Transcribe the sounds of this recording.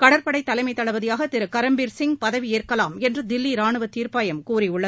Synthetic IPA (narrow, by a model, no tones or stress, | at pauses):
kɐɽɐɾpɐɽɐɪt̪ːɐlɐɪmɐɪt̪ːɐɭɐʋɐðɪjaːɣɐt̪ɪɾɯkɐɾɐmbiːɾsɪŋpɐðɐʋieːrkɐlaːmɛndrɯd̪ɪlːiɾaːɳɯʋɐt̪ːiːɾpaːjɐmkuːɾiʊɭːɐð